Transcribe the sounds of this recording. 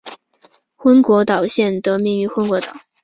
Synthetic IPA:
xwə˥nkwɔ˧˥t̪ɑ˨˩ʊɕjɛ˥˩nt̪ə˩mi˥˩ŋy˧˥xwə˥nkwɔ˧˥t̪ɑ˨˩˦

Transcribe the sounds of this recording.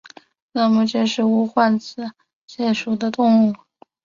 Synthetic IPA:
na˥˩mə˨ʈ͡ʂe˥˧ʂɻ̩˥˩u˧˥xwa˥˩nt͡sʰɹ̩˧˥ | ɕjɛ˥˩ʂu˨˩d̪ə˦t̪ʊ˥˧ŋu˥˩

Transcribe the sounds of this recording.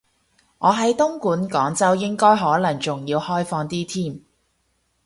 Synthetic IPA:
ŋɔː˨˧ɦɐ˨˥jt̪ʊ˥ŋkuː˨˥nkɔː˨˥ŋt͡sɐ˥wjɪ˥ŋkɔː˥jɦɔː˨˥lɐ˨˩ŋt͡sʊ˨ŋjiː˧whɔː˥jfɔː˧ŋt̪iː˥t̪ʰiː˥m

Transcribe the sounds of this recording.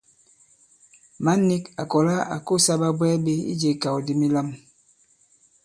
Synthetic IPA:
ma˦nːi˦ka˨kɔ˨la˦a̰˨ko˦˨sa˦ba˦bwɛː˦be˦ḭ˦d͡ʒe˨ka˨wdi˦mi˦la˦m

